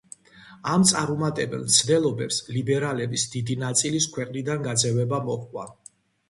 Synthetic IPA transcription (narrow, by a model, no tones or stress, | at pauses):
amt̪sʼaɾumat̪ʼɛbɛ̰lˠmt̪sʰd̪ɛlˠɔbɛpslibɛɾalɛbisd̪id̪inat̪sʼiliskʰwɛqʼnid̪anɡad̪zɛvɛbamɔχkʼwa̰